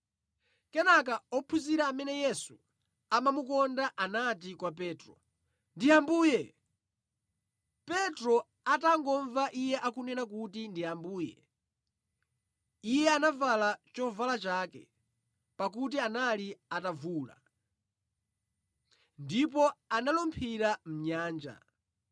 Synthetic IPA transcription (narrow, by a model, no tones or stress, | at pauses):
kɛnak̬aɔpʰuziɾaːmɛnɛjɛsu | amamukɔndaʔanat̬ikwap̬ɛːtɾɔ | ndiambuːjɛ | pɛtɾɔ | ataŋɡɔɱvaʔijɛʔakunɛnak̬utindiambuːjɛ̰ | ijɛanavalat͡ʃɔvalat͡ʃaːkɛ̰ | pakut̬ianaliatavuːla̰ | ndip̬ɔanalɔmpʰiɾam̩ɲaːnd͡ʒa̰